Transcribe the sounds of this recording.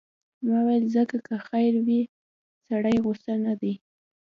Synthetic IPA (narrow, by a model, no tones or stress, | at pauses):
mawajəlzəkakəxajɾwi | saɽajɣʊst̪anad̪aj